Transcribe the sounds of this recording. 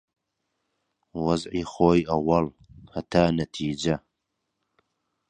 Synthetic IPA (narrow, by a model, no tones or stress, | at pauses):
wɐzʕiːxoːjɐwɐl | hɐt̪ʰaːnɐt̪ʰiːd͡ʒɐ